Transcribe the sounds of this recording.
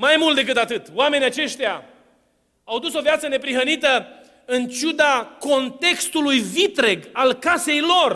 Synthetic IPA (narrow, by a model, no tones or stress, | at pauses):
majmult̪d̪e̞k̬ɨt̪at̪ɨt̪oame̞nʲjat͡ʃe̞ʃt̪ja | awd̪uso̞vjat̪səne̞pɾiɦənit̪ə | ɨnt͡ʃud̪ako̞nt̪e̞kst̪ulujvit̪ɾe̞ɡalkase̞jlo̞r